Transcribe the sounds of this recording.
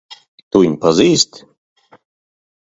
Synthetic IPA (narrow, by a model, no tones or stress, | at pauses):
t̪unpaziːst̪